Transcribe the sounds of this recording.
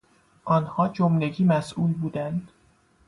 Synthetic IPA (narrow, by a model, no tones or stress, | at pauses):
ʔɒːnhɒːd͡ʒomleɟiːmæsʔuːlbuːd̪ænd̪̥